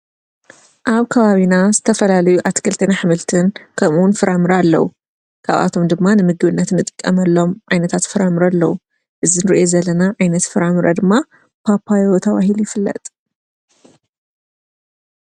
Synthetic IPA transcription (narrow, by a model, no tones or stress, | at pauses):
ʔaβkʰɐβaβinazɨt̪ʰɐfɐlalɐjuʔat̪i̥kʰɨlt̪ʰɐnaħɨmɨlt̪ʰɨnkʰɐmuwʊnfɨɾamɨɾaalːɐ̰wu | kʰa̰βa̰t̪ʰo̞md̪ɨmːanɨmɨɡɨβɨnːɐt̪nːɨt̪ʼɨkʼːɐ̰mɐlːo̞mʕajnɐt̪ʰat̪fɨɾamɨɾalːɐwu | ʔɨzinɨɾiʔo̞zɐlɐnaʕajnɐt̪fɨɾamɨɾɐd̪ɨmːa | pʰapʰajot̪ʰɐβaɦilujɪfɨlːɐ̰t̪ʼ